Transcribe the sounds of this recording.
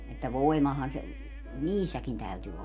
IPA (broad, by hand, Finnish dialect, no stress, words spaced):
etːæ ʋoi̯mɑhɑn̞ se niːsːækin tæyty olːɑ